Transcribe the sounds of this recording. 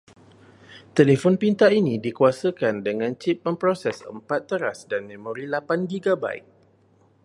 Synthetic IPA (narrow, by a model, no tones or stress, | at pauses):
t̪elefɔnpint̪ainĩdikuasəkandəŋãnt͡ʃip̚mə̃mpɾosɛsə̰mpat̪ːəɾasdanmẽmõɾilapandiɡaba̰ḭk̚